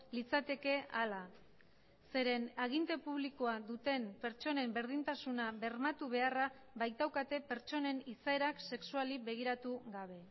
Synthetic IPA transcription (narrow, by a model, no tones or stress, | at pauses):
lit͡sat̪e̞ke̞ʔala | se̞ɾe̞naɣ̞int̪e̞puβ̞liko̞aðut̪e̞mpe̞ɾt͡ʃo̞ne̞mbe̞ɾð̞int̪asunaβe̞ɾmat̪uβ̞e̞ara | βajt̪awkat̪e̞pe̞ɾt͡ʃo̞ne̞nisae̞ɾakse̞ksualibe̞ɣ̞iɾat̪uɣaβ̞e̞